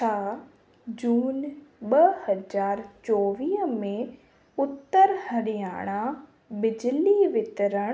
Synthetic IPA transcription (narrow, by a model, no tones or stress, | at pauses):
aː | d͡ʑuːnɓɐhɐd͡ʑaːɾt͡ɕɔːʋiːɦəmẽ | ʊt̪ːəɾhɐɽijaːɽ̃a | bɪd͡ʑɪliʋɪt̪ɪɾəɽ̃